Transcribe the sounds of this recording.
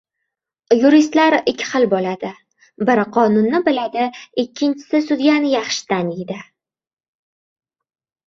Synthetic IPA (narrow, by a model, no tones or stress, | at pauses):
juɾist̪laɾɪkʲʰːɪ̥χɨlbolad̪ɪ | bɪɾqʰɒnʊnːɪbɪlad̪ɪɪkʲʰːɪnt͡ʃʰɪ̥sɪsʊd̪janɪjɑχʃɪ̥d̪aned̪ɪ